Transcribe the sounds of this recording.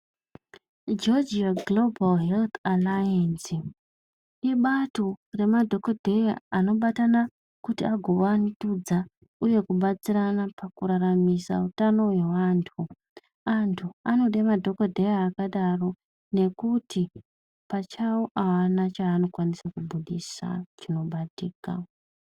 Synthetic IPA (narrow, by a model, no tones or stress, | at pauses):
d͡ʒo̞d͡ʒiaɡlo̞balɦelt̪alajansi | iɓatore̞madʱo̞kodʱe̞ja̰ano̞ɓatana | kutiaɡʱoʋanitud͡za | uje̞kuɓat͡siranapakuɾaramisa̰utano̞we̞wantʰu | antʰuano̞ɗemadʱo̞kodʱe̞jaːkaɗaro̞ | ne̞kuti | pat͡ʃawoʔawanat͡ʃaːno̞kwanisakubʱuɗisa̰t͡ʃino̞ɓatiːka̰